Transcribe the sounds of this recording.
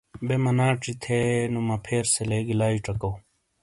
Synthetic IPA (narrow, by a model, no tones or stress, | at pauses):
bemɐnaːʈ͡ʂit̪ʰenumɐpʰeːɾseleɡilaːiʈ͡ʂɐkow